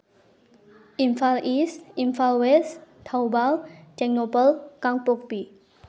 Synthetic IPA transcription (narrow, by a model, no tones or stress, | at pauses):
ĩnfalʔisĩnfalwest̪ʰawbald͡ʒɛk̚nopəlkãŋpɔk̚bi